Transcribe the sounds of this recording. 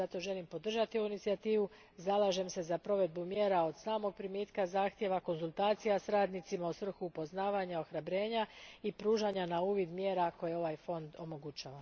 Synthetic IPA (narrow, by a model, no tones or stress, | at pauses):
zat̪o̞ʒe̞limpo̞d̪r̩ʒat̪io̞ʋuinit̪sijat̪iːʋu | zalaʒe̞mse̞zapɾo̞ʋe̞d̪̚bumje̞ːɾao̞d̪̥saːmo̞ɡ̚pɾimjeːt̪kazaːxt̪je̞ʋako̞nzulˠt̪aːt̪sijasɾaːd̪nit̪simaosʋr̩xuːpo̞znaːʋaɲao̞xɾabɾe̞ːɲaipɾuːʒaɲanauːʋid̪mje̞ːɾako̞jeo̞ʋajfo̞nd̪o̞mo̞ɡut͡ɕaːʋa